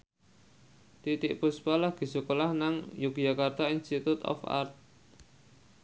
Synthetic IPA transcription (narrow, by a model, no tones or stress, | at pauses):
t̪it̪ɪʔpuspalahɡ̥i̤sukolahnaŋjuɡ̥jakart̪ainst̪it̪ut̪ɔ̰fa̰rt̪̚